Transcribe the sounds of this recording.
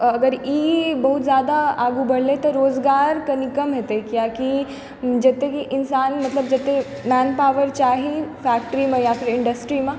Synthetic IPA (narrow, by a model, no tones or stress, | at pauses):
əɡəɾiːbəɦut̪zjad̪aaɡubəɽlet̪əɾːoːd͡zɡaɾkənikəmɦet̪ekjaki | d͡ʒet̪ekiʔɪnsanmət̪ləb̚d͡ʒət̪e | mænpaʋəɾt͡ʃaɦifækʈəɾiməjafiɾɪɳɖəsʈɾimə